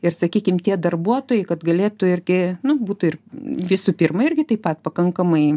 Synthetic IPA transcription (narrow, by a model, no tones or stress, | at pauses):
ɪrsɐkʲiːkʲɪmt̪ʲiɛd̪ɐrbuɔt̪oːjɛɪkɐt̪ɡɐlʲeːt̪ʊɪrʲɡʲɪnʊbuːt̪ʊɪrʋʲɪsuːpʲɪːrmɐɪrʲɡʲɪt̪ɐɪpɐt̪̚pɐkɐŋkɐmɐɪ